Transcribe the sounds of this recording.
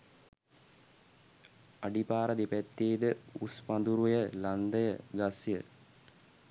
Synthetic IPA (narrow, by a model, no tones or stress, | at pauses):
aɖipaːɾəd̪epæt̪ːeːd̪əuspand̪uɾujəland̪əjəɡasjə